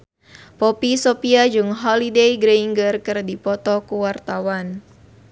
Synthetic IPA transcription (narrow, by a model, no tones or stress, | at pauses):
pɔpisɔpiad͡ʒɨŋɦɔlidejɡɾeiŋɡərkɨrdipɔt̪ɔkuwart̪awan